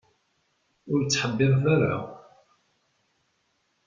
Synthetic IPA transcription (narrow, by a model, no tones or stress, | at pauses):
ʊɾt͡sːħəbːɪðˤθaɾa̰